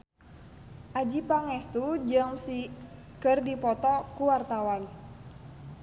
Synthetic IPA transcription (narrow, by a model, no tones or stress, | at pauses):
ʔad͡ʒipaŋɛst̪ud͡ʒəŋsi | kɨrdipɔt̪ɔkuwart̪awan